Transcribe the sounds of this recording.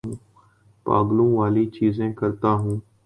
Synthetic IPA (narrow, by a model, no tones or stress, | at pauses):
ũː | pa̰ːɡlũːʋaːliːt͡ʃiːzẽːkəɾt̪aːɦũː